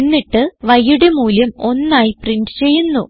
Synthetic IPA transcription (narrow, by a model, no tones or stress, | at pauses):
nːiʈːɨʋɐjːuɽemuːljɐmo̞nːaːjipriɳɖɨ̥t͡ɕe̞jːunːu